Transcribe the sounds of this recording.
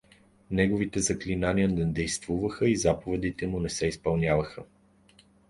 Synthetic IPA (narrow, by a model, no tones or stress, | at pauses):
nɛɡovit̪ɛzɐklinanʲijənɛd̪ɛjst̪vuvəxəizapovɛd̪it̪ɛmunɛsɛispɐlˠnʲavəxə